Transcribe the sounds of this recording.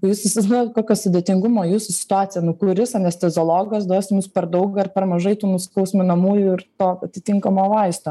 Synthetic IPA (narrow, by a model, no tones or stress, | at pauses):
kojuːsɐsʲɪzʲd̪ooːt̪koːkʲoːsʊd̪ʲeːt̪ʲɪŋɡʊmoːjuːsʊsʲɪ̥t̪ʊɑːt̪sʲɪjɛnʊkuːɾʲɪsɐnʲɛsʲt̪ʲɛzolˠoːɡɐsd̪oɔsʲɪmuspʲɛɾd̪ɐʊɡɐɪɾpʲɛɾmɐʒɐɪt̪uːnʊsʲkɐʊsʲmʲʊnɐmuːjuɪɾt̪oːɐt̪ʲɪt̪ʲɪŋkɐmoːʋɐɪst̪oː